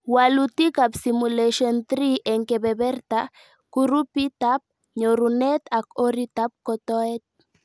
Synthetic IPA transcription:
walut̪ikapsimuleʃont̪ɾiʔeŋkebebeɾt̪a | kuɾupit̪ap̚ | ɲoɾunet̪akoɾit̪ap̚kot̪oet̪̚

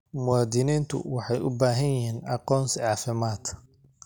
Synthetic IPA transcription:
mʊwɑːd̪ɪniːnt̪ʰʊ̰wɑħɑjʊbaːɦɐnjɪɦiːnʔɑqɔːnsʕɑːfɪmaːd̪

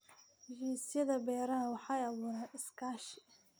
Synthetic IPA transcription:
d͡ʒiːsɪjɐðɐbɛːɾɐnɐwɑħɑɛjɑβuːɾaːnɪskʰaːʃɪ̥

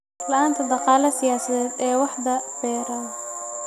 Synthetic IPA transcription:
lɐʔaːnt̪ʰɐd̪ɑqɑːlɐsɪjaːsɐðɛːd̪ɛːwɑħd̪ɐbɛːɾɐ

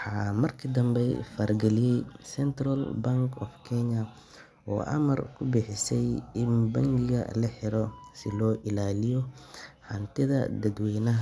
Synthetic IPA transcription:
ħɑːmɐrkʰɐd̪ɐmbɛjfaɾɡɛlɪjɛjsɛnt̪rɐlbɐŋkʰɔ̰fkʰɛɲɐ | ɔ̰ːʔɐ̰mɐ̰rkʰʊbɪħɪsɛjɪnbɐŋɡɪɡɐ̰lɐħɪɾɔsɪlɔːʔɪlaːlɪjɔhɐnt̪ʰɪðɐ̰d̪ɐd̪wɛjnɐɦ

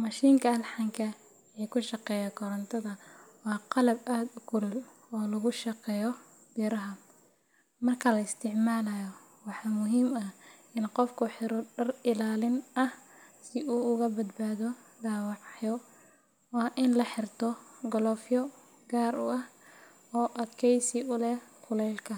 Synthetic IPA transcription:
mɑʃiːŋkʰɐɐlħɑŋkʰɐ | ɛkʰʊʃɑqɛːjakʰɔɾɐnt̪ʰɐðɐwɑːqɑlɐbʔaːd̪ʊkʰʊlʊl | ɔːlɐɣʊʃɑqɛːjɔ | b̥iːɾɐɦɐ | mɐrkʰɐlɐɪst̪ʰɪʕmaːlɐjɔ | wɑħɑmʊɦiːmɐ | ɪnqɔfkʰʊħɪɾɔɖɐrɪlaːlɪnɐhsɪʔuːʊɣɐbɐd̪baːðɔ | ɖaːwɑʕjɔ | wɑːʔɪnlɐħɪrt̪ʰɔɡɔlɔfjɔ | ɡaːrʊʔɐh | ɔːʔɐd̪kʰɛjsɪʊlɛkʰʊlɛjlkʰɐ

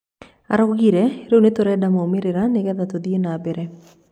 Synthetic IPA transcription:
a̰ɾoɡiɾɛɾewnet̪oɾɛdamoomɪɾɪɾanɪɡɛðat̪od̪ienabeɾɛ

